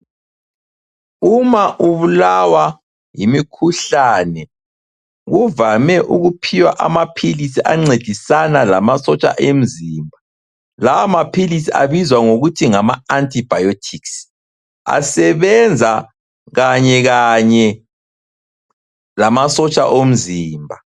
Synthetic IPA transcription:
umaʔuβulawa | jimikʰuɬanɛ | ɣuvamɛʔuɣupʰiwa̰ʔamapʰilisiʔaŋ͡ǀed̥ʱisanalamasɔt͡ʃʼa̰ʔem̩ziːmbʱa | lawamapʰilisia̰βizwaŋoɣutʰiŋamaantʰʼib̥ʱajotʰiks | a̰sɛβɛnd͡zʱa | ɣaɲɛɣaɲɛ | lamasɔt͡ʃʼa̰ʔom̩ziːmbʱa

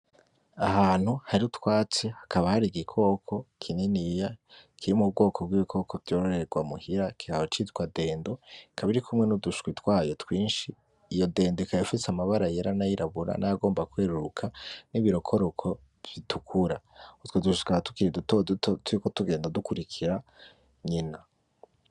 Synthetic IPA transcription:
aɦaːn̥huhaɾiutwaːt͡sehḁkʰaβahaɾiɡikʰo̞ːkʰo̞kʰininijakʰiɾimub̚ɡo̞ːkʰob̚ɡwiβikʰo̞kʰo̞vjo̞ɾoɾe̞ɡwamuhiɾakʰihahot͡ʃitwade̞ːndo̞kʰaβiɾikʰumŋe̞nuduʃu̥kwitwaːjo̞twiːnʃiː | jo̞de̞ːndoikajofiseamaβaɾajeɾanajiɾaβuɾa̰najaɡo̞ːmbakweːɾuɾukʰaniβiɾo̞kʰo̞ɾokʰo̞̥ | itukʰuɾautwoduʃu̥kahtu̥kiɾidutodtotɾikotuɡe̞ːndadukuɾikʰiɾa | ɲina

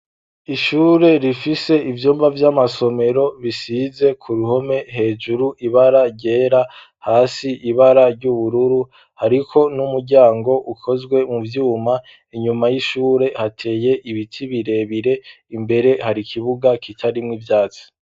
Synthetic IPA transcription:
iʃuːɾe̞ɾifise̞ivjoːmvavjamaso̞me̞ɾo̞βisize̞kʰuɾuho̞me̞ɦe̞ːd͡ʒuɾuʔiβaɾaɾɟe̞ːɾa | haːsiʔiβaɾaɾɟuβuɾuɾu | haɾikʰo̞numuɾɟaːŋɡo̞ʔukʰo̞zɡwe̞muvjuːma | iɲumajiʃuːɾe̞hatʰe̞ːje̞ʔiβitʰiβiɾe̞βiɾe̞ | imbe̞ɾe̞haɾikʰiβuɡakʰitʰaɾimŋivjaːt͡si̥

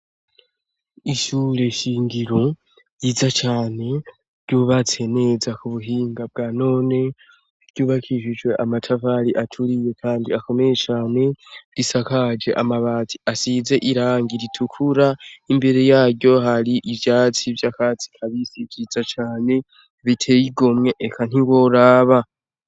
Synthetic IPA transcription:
iʃuːɾe̞ʃiːŋɡiɾo̞ | jiːzat͡ʃaːne̞ | ɾɟuβat͡se̞ne̞zakuβuɦiːŋɡab̚ɡaːno̞ːne̞ | ɟuːβakʰiʃid͡ʒwe̞ʔamatʰavaɾiʔatʰuɾije̞kʰaːndiako̞me̞je̞t͡ʃaːne̞ɾisakad͡ʒe̞̰ʔamaβaːziasize̞ʔiɾaːŋɡiɾitʰukʰuɾaimbe̞ɾe̞jaːɾɟo̞ɦaɾiʔivjaːt͡sivjakaːt͡si̥kʰaβisivjiːzat͡ʃaːne̞ | βitʰe̞jiɡo̞mŋe̞ʔekʰan̥iŋɡwo̞ɾaːβa

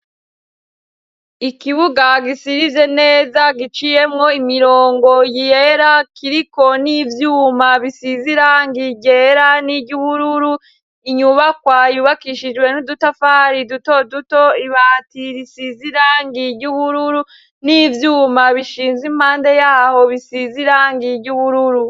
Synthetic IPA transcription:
ikiβuɡaɡisiɾive̞ne̞ːzaɡit͡ʃije̞mŋo̞imiɾoːŋɡo̞jijeɾakiɾiko̞nivjuːmaβisiziɾaŋɡiɟeɾaniɟuβuɾuɾu | iɲuβakwajuβakiʃid͡ʒwe̞nudutafaːɾiduto̞dutoiβatiɾisiziɾaːŋɡiɟuβuɾuɾu | nivjuːmaβiʃiːnzim̥haːnde̞jaːho̞βisiziɾaːŋɡiɾɟuβuɾuɾu

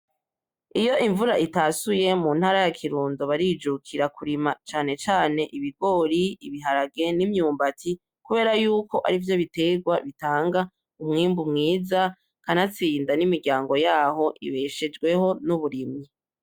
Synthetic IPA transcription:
ijo̞ʔiɱvuɾaʔitaːsujemuːnhaːɾajakʰiɾuːndoβaɾid͡ʒukʰiɾakʰuɾimat͡ʃaːne̞t͡ʃaːne̞ʔiβiɡo̞ːɾiiβiɦaɾaɡe̞nimɲuːmbatʰi | kuβe̞ːɾajuːko̞ʔa̰ɾivjo̞βite̞ɡwaβitaːŋɡa | umŋiːmbumŋiːza | kanat͡siːndanimiɡɟaːŋɡo̞jaːho̞ʔḭβeʃed͡ʒɡwe̞ho̞nuβuɾimɲi

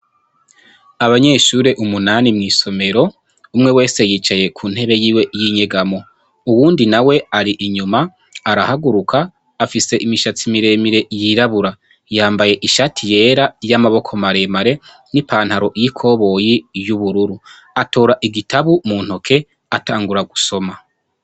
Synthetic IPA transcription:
aβaɲe̞ːʃuɾe̞ʔumunanimŋiːso̞me̞ɾo̞ | umŋe̞we̞ːse̞jiːt͡ʃaje̞kʰuːn̥he̞βe̞jiːwe̞jiɲe̞ɡamo̞ | uwuːndinawe̞aɾiʔiɲumaː | ɾahaɡuɾukʰaː | fise̞ʔimiʃat͡simiɾe̞ːmiɾe̞jiɾaβuɾa | jaːmbaje̞ʔiʃatʰije̞ːɾajamaβo̞kʰo̞maɾe̞maɾe̞ | nipaːn̥haɾo̞jikʰo̞ːβo̞jijuβuɾuɾu | ato̞ːɾaʔiɡitʰaβumuːn̥ho̞kʰe̞ | ataːŋɡuɾaɡuso̞ma

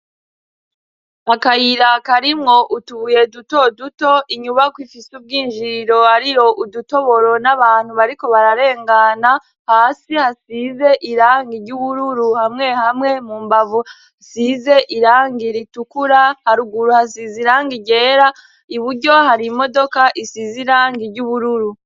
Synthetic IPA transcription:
akajiɾakaɾimŋo̞ʔutuβuje̞duto̞duto̞ʔiɲuβakwifisub̚ɡiːnʒiɾɾo̞aɾiɾo̞ʔuduto̞βo̞ɾo̞naβaːn̥huβaɾiko̞βaɾaɾe̞ːŋɡana | haːsihasize̞ʔiɾaːŋɡiɾɟuβuɾuɾuhamŋe̞hamŋe̞muːmbavu | asize̞ʔiɾaːŋɡiɾitukuɾahaɾuɡuɾuhasiziɾaːŋɡiɟe̞ːɾa | iβuɟo̞haɾimo̞do̞kaʔisiziɾaːŋɡiɟuβuɾuɾu

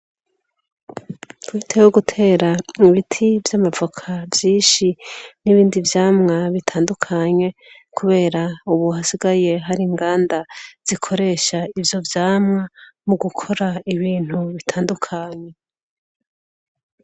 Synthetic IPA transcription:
kwitʰewoɡutʰe̞ːɾaiβitʰivjamavokʰavjiːʃiniβiːndivjaːmŋaβitʰaːndukʰaɲe̞ | kʰuβe̞ːɾauβuhasiɡaje̞ɦaɾiŋɡaːndaz̥ikʰo̞ɾe̞ːʃaivjo̞vjaːmŋamuɡukʰo̞ɾaiβiːn̥huβitʰaːndukʰaɲe̞

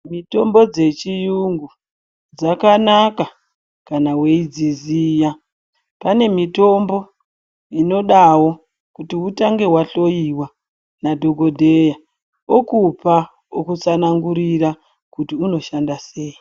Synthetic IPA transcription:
mito̞mbo̞d͡ze̞t͡ʃijuŋɡu | d͡zakanaka | kanawe̞id͡ziziːja | pane̞mito̞mbo̞ | ino̞ɗawo̞ | kutiutaŋɡe̞ɦwaɬo̞jiwa | nadʱo̞ɡʱo̞dʱeja | okupa | okut͡sanaŋɡuɾiɾa | kutiuno̞ʃandase̞ːji

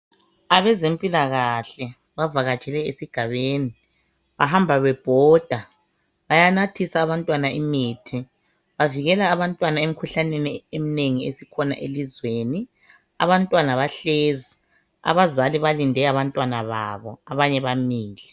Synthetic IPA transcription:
aβɛzempʼilaɣaɬɛ | βavaɣḁt͡ʃʼɛlɛesiɡ̥ʱaβeːni | βaɦambʱaβɛb̥ʱɔːd̥ʱa | βajanatʰisaːβantʼwanaʔimiːtʰi | βaviɣɛlaːβantʼwanaemikʰuɬaneniemineŋiḛsikʰɔna̰ʔelizweːni | a̰βantʼwanaβaɬeːzi | a̰βazaliβalindʱɛaβantʼwanaβa̰βɔaβaɲɛβamiːlɛ

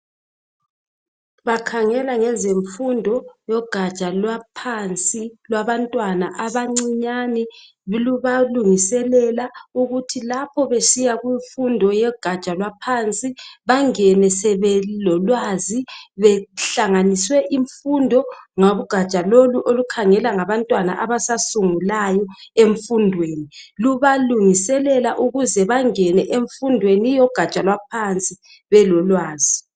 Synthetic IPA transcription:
βakʰaŋɛlaŋɛzeɱfundʱɔjɔɡ̥ʱḁt͡ʃʼalwapʰant͡sʼilwaβantʼwanaʔaβaŋ͡ǀiɲanɛ | βluβaluŋisɛlɛlauɣutʰilapʰɔβesijaɣwiɱfundʱɔjɛɡ̥ʱḁt͡ʃʼalwapʰant͡sʼiβaŋɛnɛsɛβɛlɔlwaziβɛɬaŋaniswɛʔiɱfundʱɔŋoβuɡ̥ʱat͡ʃʼaloluʔolukʰaŋɛlaŋaβantʼwana̰ʔaβasasuŋulajɔeɱfundʱweːniluβaluŋisɛlɛlaʔuɣuzɛβaŋɛnɛʔeɱfundʱwenijɔɡ̥ʱat͡ʃʼalwapʰant͡sʼi | βɛlɔlwaːzi

